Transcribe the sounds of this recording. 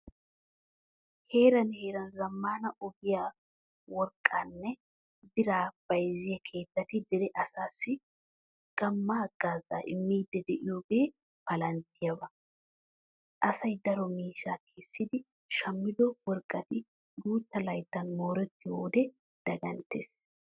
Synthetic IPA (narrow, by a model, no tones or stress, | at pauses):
he̞ːɾɐnhe̞ːɾɐnzɐmːaːnɐʔʊbɪjaː | wɔɾkʼːaːnːɛ | d̪ɪɾaːb̥ɐjzɪjɐkʰe̞ːt̪ːɐt̪ɪd̪ɪɾɛʔɐsaːsːɪ | ɡ̥ɐmːaɡ̥aːza̰ːʔɪ̰mːiːd̪ːɛd̪ɛʔɪjoːbeː | bɐlɐnt̪ːɪjɐbɐ | ʔɐsɐjd̪ɐɾɔmiːʃaːkʰeːsːɪd̪ɪ | ʃɐmːɪd̪ɔwɔɾkʼːɐt̪ɪ | d̪uːt̪ːɐlɐjt̪ːɐnmo̞ːɾɛt̪ːɪwoːd̪ɛ | d̪̥ɐɡɐnt̪ːḛːs